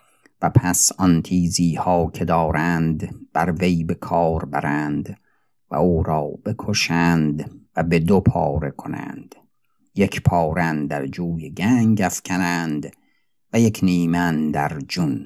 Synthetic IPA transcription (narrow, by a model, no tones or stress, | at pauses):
væpʰæsɒnt̪ʰiːziːhɒːkʲʰe̞d̪ɒːɾænd̪b̥æɾve̞jbe̞kʰɒːɾbæɾænd̪ | væ̰uːɾɒːb̥e̞kʰoʃænd̪væbe̞d̪opʰɒ̰ːɾe̞kʰo̞næ̰ːnd̪̥ | je̞kʰpʰɒːɾænd̪æɾd͡ʒuːjeɡæŋɡæfcʰænænd̪ | væjekʰniːmænd̪æɾd͡ʒun